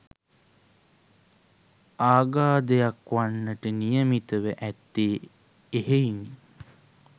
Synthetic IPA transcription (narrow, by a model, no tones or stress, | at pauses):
aːɡaːd̪əjakʋanːəʈənijəmit̪əʋəʔæt̪ːeː | eheiŋ